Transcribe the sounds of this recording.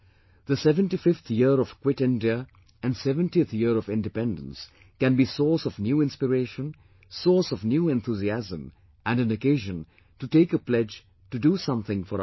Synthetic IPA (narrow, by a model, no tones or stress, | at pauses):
ðəsɛvə̃ntifɪft̪ʰjiəɾɔv̥kwɪtɪ̃ndiə | æ̃nsɛvə̃ntit̪ʰjiɾɔvɪ̃ndɨpɛ̃ndə̃ns | kæ̃nbisɔːsɔvnjuːɪ̃nspɨɾeɪʃə̃n | sɔːsɔvnjuːɛ̃nθuziæzə̃m | æ̃nɨ̃nəkeɪʒə̃n | tuʈeɪkəplɛd͡ʒ | tudusʌ̃mθɪ̃ŋfɔɾ